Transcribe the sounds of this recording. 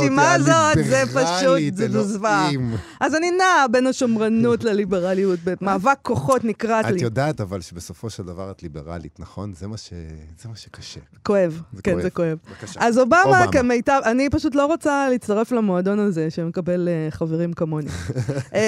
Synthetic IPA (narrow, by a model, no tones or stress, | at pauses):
timazot̪zepaʃuzeduzvam | ʔazaninaːbe̞naʃomʁanutlalibeʁalijut̚bemaːvakʰːoχo̞tnikʁatlijod̪aat̪avalʃebesofo̞ʃeld̪avaʁat̪libeʁa̰lḭtnaχo̞nzemaʃḛzemaʃe̥kḁʃe | ko̞evkenzekoe̞vazobamakemejtaanipaʃut̬lo̞ʁot͡saliit͡st̪aʁeflamoado̞nazeʃeme̞kabe̞leχaveʁimkamoni